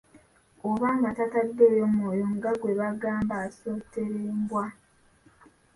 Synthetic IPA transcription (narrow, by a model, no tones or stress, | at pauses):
oβaːŋɡatatadːe̞ːjo̞mwoːjoŋɡaɡwe̞βaɡaːmbaːso̞ːte̞ɾeːmbwa